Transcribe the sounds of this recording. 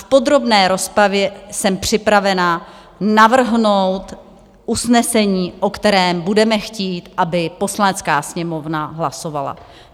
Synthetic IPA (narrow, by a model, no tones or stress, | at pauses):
fpo̞d̪ɾo̞bnɛːɾo̞spɾavjɛsɛmpr̝̥ɪpɾavɛna | navr̩ɦno̞wt̪ | ʔusnɛsɛɲiːʔo̞kt̪ɛɾɛːmbudɛmɛxciːt̪ʔabɪpo̞slanɛt͡skaːsɲɛmo̞vnaɦlaso̞va̰la̰